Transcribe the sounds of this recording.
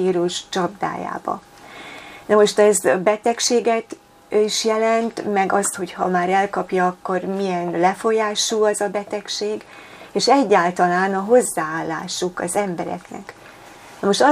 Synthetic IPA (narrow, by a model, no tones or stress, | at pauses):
iːɾuʃt͡ʃɒb̚d̪a̰ːja̰ːbɒ̰ | nɒmo̞ʃt̪ɛzbɛt̪ɛkʃeːɡɛt̪ | iʃjɛlɛnt̪mɛɡɒst̪ho̞chɒmaːɾɛlkɒpjɒɒkːo̞rmijɛnlɛfo̞jaːʃulɛzɒbɛt̪ɛkʃeːɡ | eːʃɛɟːaːlt̪ɒlaːnɒɦo̞zːaːaːlːa̰ːʃukɒzɛmbɛɾɛ̰knɛ̰k | nɒmo̞ʃt̪ɒ